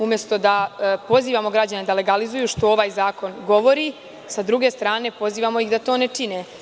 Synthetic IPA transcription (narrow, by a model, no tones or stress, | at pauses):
umjest̪o̞d̪apo̞ziːʋamo̞ɡɾad͡ʑaned̪ale̞ɡalizujuʃt̪o̞oʋaːjzaːko̞nɡo̞ʋo̞ɾi | sad̪ɾuɡe̞st̪ɾaːne̞po̞ziːʋamo̞jixd̪at̪o̞ːnet͡ʂine